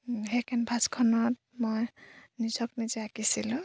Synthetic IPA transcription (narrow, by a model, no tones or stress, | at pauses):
ɦekʰenbʱaskʰɔnɔt | mɔjnid͡ʒɔknid͡ʒiakisilu